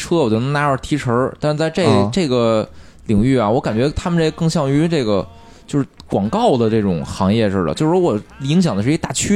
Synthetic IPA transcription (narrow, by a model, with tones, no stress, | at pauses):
ʈ͡ʂʰɤ˥wɔ˨˩o˧˥˩n˧˥na˧˥ə˞˥˩˧t̪ʰi˧˥ʈ͡ʂʰə˧˥t̪a˥˧nʂɻ̩˧t͡sa˥˧ɪʈ͡ʂe˥˩ʈ͡ʂe˥˩ɡə˩ | li˨˩ŋy˥˩a˨˩wɔ˧˥ka˨˩nt͡ɕɥɛ˧˥t̪ʰa˥mə˨nʈ͡ʂkɤ˥˧ŋɕjɑ˥˩ŋy˧˥ʈ͡ʂɤ˥˩ɪɡə̰˩ | t͡ɕjo˥˧ʊʂɻ̩˥˩kwɑ˨˩ŋkɑ˥˩ʊd̪ə˩ʈ͡ʂɤ˥˩ʈ͡ʂʊ̰˨˩ŋxɑ˧˥ŋjɛ˥˧ʂɻ̩˥˩də̰t͡ɕo˥˧ʊʂwɔ˨˩i˧˥ŋɕ̬jɑ˨˩ŋd̪əʂɻ̩˥˧˥t̪a̰˥˩t͡ɕʰy˥